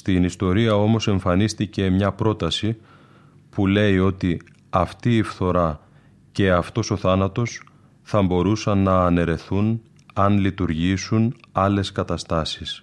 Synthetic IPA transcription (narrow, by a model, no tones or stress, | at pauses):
st̪inist̪o̞ɾiɐo̞mo̞se̞ɱfɐnist̪ice̞mɲɐpɾo̞t̪ɐsi | pule̞io̞t̪i | ɐft̪iːfθo̞ɾɐ | ce̞ɐft̪o̞so̞θɐnɐt̪o̞s | θɐmbo̞ɾusɐnːɐːne̞ɾe̞θun | ɐnlit̪uɾʝisunɐle̞skɐt̪ɐst̪ɐsis